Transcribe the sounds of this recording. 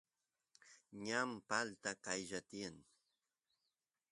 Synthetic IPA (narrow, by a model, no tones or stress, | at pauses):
ɲampalt̪akajʒat̪ɪjaŋ